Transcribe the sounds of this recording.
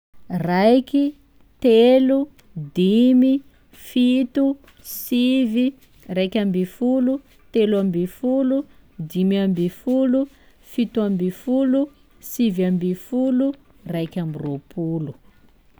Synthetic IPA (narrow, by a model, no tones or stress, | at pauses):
rajki | t̪elu | d̪imi | fit̪u | sivi | rajkʲambifulu | t̪elambifulud̪imiambifulu | fit̪uambifulu | sivambifulu | rajkʲambiropʰulu